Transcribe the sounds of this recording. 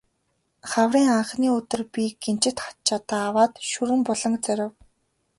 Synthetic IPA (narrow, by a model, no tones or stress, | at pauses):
χawriːŋaɴχniːɵt̪ɘ̆rpiɡent͡ɕɪ̆t̪χḁt̪̚t͡ɕʰat̪aːwaːt̪ʃuɾɘ̆mpɔɮɞ̆ŋt͡sœɾʲɪ̆w